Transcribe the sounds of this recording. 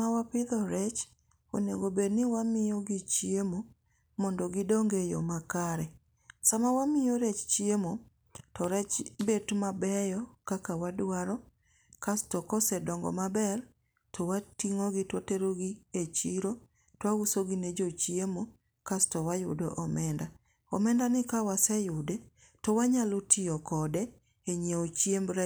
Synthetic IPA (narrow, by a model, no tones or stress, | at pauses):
mawapɪdɔɾɛt͡ʃ | o̰neɡobednɪwamɪjoɡit͡ʃiemo | mɔndɔɡɪdɔŋɡejɔ̰makaɾɛ | samawamɪjoɾet͡ʃt͡ʃiemo | tɔɾɛt͡ʃbetmabɛjɔkakawadwaɾɔ | kastɔkɔsɛdɔŋɡɔ̰mabɛr | tʰɔwatiŋoɡɪtwateɾoɡiet͡ʃiɾo | twawusoɡined͡ʒot͡ʃiemo | kastɔwajʊ̰dɔ̰ʔɔmɛnda | ɔ̰mɛndanɪkawasɛjʊde | tɔwaɲalotʰiɔkɔdɛ | eɲeot͡ʃiembɾa